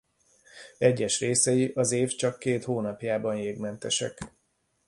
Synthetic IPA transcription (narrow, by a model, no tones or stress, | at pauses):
ɛɟːɛʃreːsɛjiʔɒzeːft͡ʃɒkːeːt̪hoːnɒpjaːbɒnjeːɡmɛnt̪ɛʃɛ̰k